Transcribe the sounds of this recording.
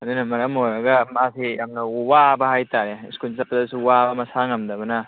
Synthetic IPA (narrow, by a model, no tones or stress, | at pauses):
ɐd̪unɐmɐɾɐmojɾɐɡɐmasijamnɐuwabɐhajtaɾeskulsɐpzdɐsuwabɐmɐsaŋɐmd̪ɐbɐnɐ